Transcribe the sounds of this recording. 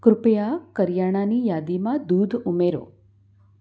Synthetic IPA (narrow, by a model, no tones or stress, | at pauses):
kɾʊpejakəɾjaɽ̃anijaːd̪imãd̪uːd̪ʱumeɾo̰